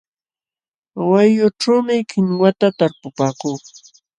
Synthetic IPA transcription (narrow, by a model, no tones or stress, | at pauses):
wajʊʈ͡ʂawmɪkɪŋwat̪at̪aɾpʊpaːkuː